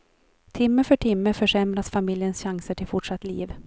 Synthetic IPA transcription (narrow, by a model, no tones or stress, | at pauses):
t̪ʰɪmːəfœʈʰɪmːəfœʂɛmɾasfamɪljənsɕaŋsəʈʰɪlfʊʈʂat̪ːlḭːv